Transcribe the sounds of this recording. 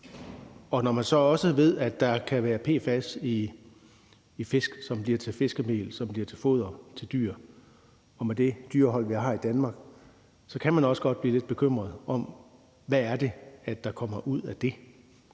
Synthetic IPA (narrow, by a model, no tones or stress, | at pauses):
ɒ̽nɒmænsɒ̽ɒ̽səʋe̝ð̞̰ˠæd̥ɑ̈kʰæʋæːɐpʰe̝̰ːfæsi | fe̝sɡ̥sɒ̽mb̥liɐt͡sʰe̝lfe̝sɡ̥əme̝̰ːlsɒ̽mb̥liɐt͡sʰe̝lfo̝̰ð̞ˠɐt͡sʰe̝ld̥y̰ːɐ̰ | ɒ̽med̥e̝d̥yɐ̰ɦɒ̽l̰ʋiɦɑ̰̈ːid̥ænmɑ̈ːɡ̥ | sɒ̽kʰæmænɒ̽sə̥ɡ̥ɒ̽d̥̚b̥liːle̝d̥̚b̥e̝kʰøm̰ʁɐð̞̩ˠɒ̽m | ʋæːɐd̥e̝æd̥ɑ̈kʰɒ̽m̰ɐʔuð̞̰ˠæd̥e̝